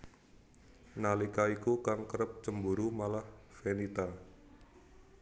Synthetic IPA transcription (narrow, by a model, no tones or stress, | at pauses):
nalikaikukaŋkəɾəp̚t͡ʃəmbuɾumalahfenit̪a